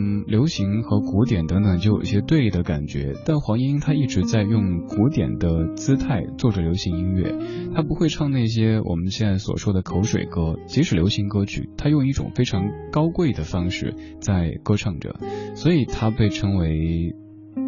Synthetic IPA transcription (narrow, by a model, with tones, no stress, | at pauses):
ljo˧˥ʊɕi˧˥ŋxɤ˧˥ku˧˥t̪jɛ˨˩nt̪ɤ˧˥ŋt̪ɤ˨˩ŋt͡ɕo˥˩ʊjo̰˨˩i˥˩ɕjɛ˥t̪we˥˩ɪd̪ə˩ka̰˨˩nt͡ɕɥɛ̰˧˥t̪a˥˩nxwɑ˧˥ŋi˥i˥ŋt̪ʰa˥i˥˩ʈ͡ʂɻ̩˧˥t͡sa˥˧ɪjʊ˥˩ŋku˧˥t̪jɛ̰˨˩nd̪ə˦t͡sɹ̩˥t̪ʰa˥˧ɪt͡swɔ˥˩ʈ͡ʂə˩ljo˧˥ʊɕi˧˥ŋi˥nɥɛ̰˥˩t̪ʰa˥pu˧˥xwe˥˧ɪʈ͡ʂʰɑ˥˧ŋna˥˩ɪɕ̬jɛ˥wʔɔ̰˨˩mə˦nɕjɛ˥˧nt͡sa˥˩ɪswɔ̰˨˩ʂwɔ˥d̪ə˨kʰo˧˥ʊʂwḛ˨˩ɪkɤ˥t͡ɕi˧˥ʂɻ̩˨˩ljo˧˥ɕi˧˥ŋkɤ˥t͡ɕʰy̰˥˩t̪ʰa˥jʊ˥˧ŋi˥˩ʈ͡ʂʊ̰˨˩ŋfe˥ɪʈ͡ʂʰɑ˧˥ŋkɑ˥ʊkwe˥˩ɪd̪ə˩fɑ˥ŋʂɻ̩̰˥˩ | t͡sa˥˩ɪkɤ˥ʈ͡ʂʰɑ˥˩ŋʈ͡ʂə̰˩swɔ˧˥i˨˩t̪ʰa˥pe˥˩ɪʈ͡ʂʰɤ˥ŋwe˧˥ɪ